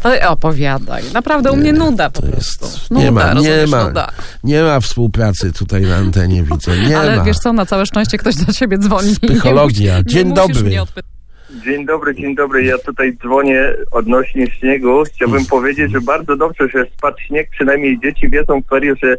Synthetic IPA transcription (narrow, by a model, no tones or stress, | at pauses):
t̪ɔɔpɔvʲjad̪a̰jnapɾavd̪ɛumɲɛnud̪aɔ̰jɛ̰st̪nɲɛ̰ma̰ɾɲɛma̰d̪̰ɲɛmafspuwpɾat̪sɘt̪ut̪ajna̰ːnt̪ɛɲɛ̰vʲid̪zɛɲɛmɛavjɛʂt̪sɔnat̪sawɛʂt͡ʂɛ̃w̃ɕt͡ɕɛk̚t̪ɔʑd̪ɔɕebʲjɛd̪zvɔɲisxɔlɔɡʲjad͡ʑeɲd̪ɔbɾɘt̪p | d͡ʑeɲd̪ɔbɾɘd͡ʑeɲd̪ɔbɾɘjat̪ut̪ajd̪zvɔɲɛɔd̪nɔɕɲɛɕɲɛɡuxt͡ɕawbɘmpɔvʲjed͡ʑed͡ʑʐɛbaɾd̪zɔd̪ɔbʐɛɕɛspatɕɲɛk̚pʂɨnajmɲejd͡ʑet͡ɕivʲjɛdzɔ̃w̃kt̪ɛɾjɛʐɛ